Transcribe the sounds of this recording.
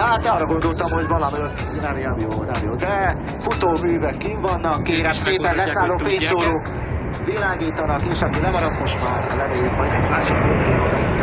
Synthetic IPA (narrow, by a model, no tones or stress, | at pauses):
haːt̪ɒːrːɒɡo̞nd̪o̞lt̪ɒmɦo̞ɟvɒlɒmɒjon | nɛmjɛmjoːnɛmjoːd̪ɛ | fut̪oːmyːvɛkːivɒnːɒkːeːɾɛʃseːpɛnlɛsaːlːoːfeːsoːlɾoːk | ʋilaːɡiːt̪ɒnɒkeːʃɒkilɛmɒɾɒkmo̞ʃt̪maːrlɛmeːjikmɒj̪ɛmaːʃokoːt̪io